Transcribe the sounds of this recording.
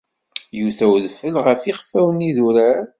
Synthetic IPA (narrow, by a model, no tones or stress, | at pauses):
juθæwðəfːəlʁəfiχfːæwəniðuɾæɾ